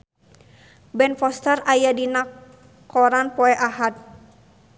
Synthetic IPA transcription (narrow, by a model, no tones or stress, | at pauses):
bɛnfɔst̪ərajadina | kɔɾanpɔɛʔaɦat̪̚